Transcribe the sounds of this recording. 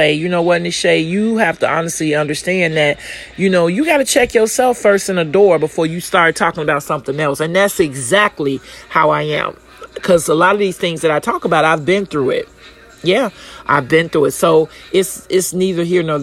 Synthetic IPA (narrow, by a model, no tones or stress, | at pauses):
eɪjɨnoʊwʌɾnɨseɪjɨhæftəɑnɨstˡliʌ̃ndə˞stæ̃nðɨt̚ | jɨnoʊjɨɡɑɾɨt͡ʃʰɛkjə˞sɛlˠfɜ˞stɨ̃nɨdɔɹbəfɔɹjɨstɑɹ̚tʰɔkɪ̃ŋəbaʊtsʌ̃mθɪ̃ŋɛlˠsɨ̃nðætsɨɡzæk̚tˡlihaʊaɪɨ̰̃m | kʰʌzəlɑɾʌvðiz̥θɪ̃ŋzðɨɾaɪtʰɔkəbaʊɾaɪvbɪ̃nθɹuɪ̰t̚ | jæʔa̰ɪvbɨ̃nθɹuɨtsoʊʔɪtsɪtsniðə˞ɦiɹnɔ˞